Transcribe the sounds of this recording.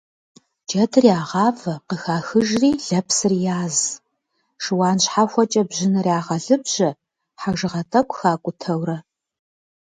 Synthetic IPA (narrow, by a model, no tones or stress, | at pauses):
d͡ʒɐtʰɨrjaːʁɑːvɐqəxaːxɨʒriːɮɐpsɨrjaːz | ʂɨwɑːnɕħaxʷɔt͡ʃʼɐbʑɪnɨrjaːʁɐɮɨbʑ̥ɐ | ħaʒɨʁɐtʼɐkʷʼxaːkʷʼʊtʰɐwɾɐ